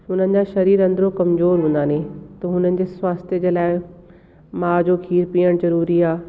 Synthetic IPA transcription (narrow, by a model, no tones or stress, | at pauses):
ɦʊn̤ənɪ̆d͡ʑaʃɐɾiːɾɐ̃nd̪ɾõkɐmzoːɾɦʊ̃nd̪aːnẽt̪ɐɦʊnənɪ̆d͡ʑeːswaːst̪jəd͡ʑeːlaːɪ | maːd͡ʑoːkʰiːɾpiːəɽ̃zɐɾuːɾiaː